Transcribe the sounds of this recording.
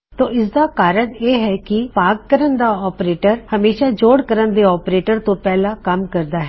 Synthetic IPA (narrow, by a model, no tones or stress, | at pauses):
t̪oːɪsd̪aːkaːɾəɳeːɦɛːkɪpaːkːəɾənd̪aːɔːpɾeːʈəɾhəmeːʃaːd͡ʒoːɽkəɾənd̪eːɔːpɾeːʈəɾt̪õːpɛːlaːkəmkəɾd̪aːɦɛ